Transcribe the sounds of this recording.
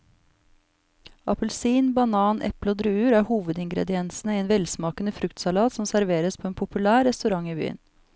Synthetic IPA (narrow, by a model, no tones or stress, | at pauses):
ɑpəlsiːnbɑnɑːnʔɛ̰ploːd̪ɾʉʉːɾæːɾhuːʋəd̪ɪŋɡɾɛ̰d̪ɪɛnsn̩əieːnʋɛlsmɑːkənəfɾʉkt̪sɑlɑːt̪sɔmsæɾʋeːɾəspʰoːeːnpʰʊpʉlæːɾɛst̪ʉɾɑŋiːby̰ːə̰n